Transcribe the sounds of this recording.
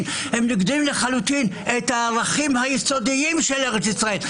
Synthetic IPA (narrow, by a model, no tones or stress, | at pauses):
n | hemniɡd̪imleχalut̪in | et̪haʁaχimhajiso̞d̪iimʃeleʁet͡sisʁae̞l